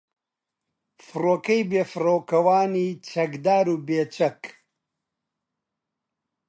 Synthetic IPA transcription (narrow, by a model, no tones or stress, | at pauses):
fɨroːkɐjbeːfɨroːkɐwaːniːt͡ʃʰɐkd̪aːɾuːbeːt͡ʃɐk